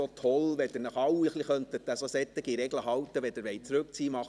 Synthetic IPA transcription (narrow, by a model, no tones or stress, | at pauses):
otʰɔlʋɛd̥̪ɪnɑχɑwiχliχœnt̪ət̚d̪æsosɛt̪ːɪɡiɾɛɡləɦɑwt̪əʋɛd̪ɪɾʋɛɪt͡sɾʉk̚t͡siːmɑχ